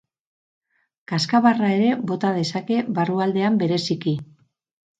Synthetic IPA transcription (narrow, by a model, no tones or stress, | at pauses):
kaskaβarae̞ɾe̞βo̞t̪aðe̞sake̞βaruald̪e̞ambe̞ɾe̞siki